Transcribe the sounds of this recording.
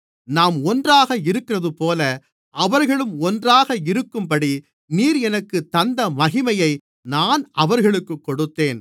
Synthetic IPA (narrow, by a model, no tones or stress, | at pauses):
naːmɔndraːɣɐɪɾɯkːɪrɐðɯpoːlɐ | ʔɐʋɐɾɣɐɭɯmɔndraːɣɐɪɾɯkːɯmpɐɽi | niːɾɛnɐkːɯt̪ːɐnd̪ɐmɐɣɪmɐjɐɪ | naːnɐʋɐɾɣɐɭɯkːɯkːɔɽɯt̪ːeːn